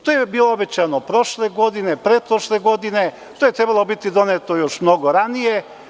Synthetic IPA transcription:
t̪oːjebiːlˠoobet͡ɕanopɾo̞ʃleɡo̞d̪inepɾeːd̪̚pɾoʃleɡo̞d̪ine | t̪ojet̪ɾebalˠobit̪id̪onet̪ojoʃmnoɡoɾanije

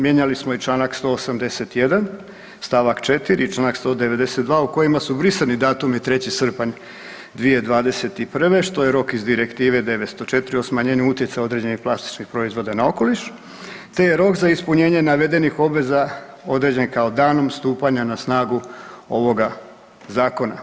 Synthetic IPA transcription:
mje̞ɲalismoit͡ʃlˠaːnakst̪o̞ːosamd̪e̞se̞t̪je̞d̪an | st̪aːʋakt͡ʃe̞t̪iɾit͡ʃlˠaːnakst̪o̞ːd̪eʋe̞d̪e̞set̪d̪ʋaːuko̞jimasubɾiselnid̪aːt̪umit̪ɾe̞t͡ɕisr̩paɲ | d̪ʋije̞d̪ʋaːd̪e̞se̞t̪ipr̩ʋe̞ʃt̪o̞je̞ɾo̞kizd̪iɾekt̪iːʋe̞d̪e̞ʋet̪st̪o̞t͡ʃe̞t̪ɾiosmaɲeːɲuut̪je̞t̪sajo̞d̪ɾe̞d͡ʑe̞nixplˠast̪i̥t͡ʃnixpɾo̞izʋo̞d̪anao̞ko̞liʃ | t̪e̞jeɾo̞kzaispuɲe̞ːɲe̞naʋe̞d̪e̞nixo̞bʋe̞za | o̞d̪ɾe̞d͡ʑe̞nkaod̪aːno̞mst̪uːpaɲanasnaːɡuo̞ʋo̞ɡa | zaːko̞na̰

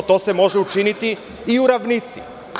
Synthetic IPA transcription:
t̪o̞ːse̞mo̞ʒeut͡ʃinit̪iː | uɾaʋnit̪sḭ

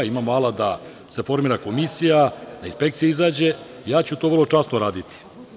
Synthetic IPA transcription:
imaːmoalˠad̪a | se̞fo̞ɾmiːɾako̞misijad̪ainspe̞k̚t̪sijeizaːd͡ʑe̞ | ijaːt͡ɕut̪oʋərlˠo̞t͡ʂasnoɾaːd̪it̪i̥

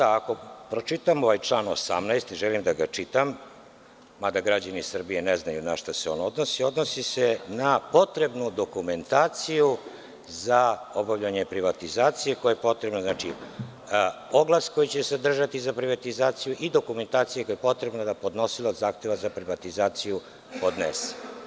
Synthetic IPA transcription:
aako̞pɾo̞t͡ʃit̪amo̞ʋajt͡ʃlˠaːno̰sa̰mnajst̪iʒelimd̪aɡat͡ʃit̪amː | ad̪aɡɾad͡ʑanisr̩bieneznajunaʃt̪aseo̞ːnod̪nosio̞d̪nosisenapo̞t̪ɾe̞bnud̪o̞kume̞nt̪aːt̪siju | zao̞bavʎaɲepɾiʋat̪izaːt̪sije̞kojajepo̞t̪ɾebnoznat͡ʃḭ | o̞ɡlasko̞jit͡ɕesad̪r̩ʒat̪izapɾiʋat̪izaːt̪sijuʔid̪o̞kume̞nt̪aːt̪sijekojepo̞t̪ɾe̞bnad̪apo̞d̪no̞silad̪zaːxt̪e̞ʋazapɾiʋat̪izaːt̪siju | po̞d̪nese̥

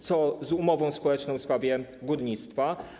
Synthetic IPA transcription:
t̪sɔzumɔvɔ̃w̃spɔwɛt͡ʂnɔ̃w̃fspɾavʲjɛɡud̪ɲit̪st̪fa

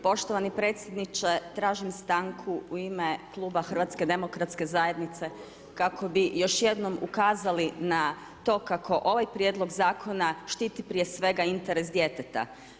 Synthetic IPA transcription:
po̞ʃt̪oʋanipɾe̞ːt̪sʲjed̪nit͡ʃe̞t̪ɾaːʒimst̪aŋkʰuuimeklˠuːbaxr̩ʋat̪ske̞d̪e̞mo̞kɾat̪ske̞zaje̞d̪nit̪se̞ | kako̞bijo̞ʃje̞d̪no̞mṵkaːzalina | t̪o̞ːkakʰo̞ʔo̞ʋajpɾje̞d̪lˠo̞ɡzaːkʰo̞naʃt̪iːt̪ipɾije̞sʋe̞ɡaint̪eɾesd̪je̞t̪et̪a̰

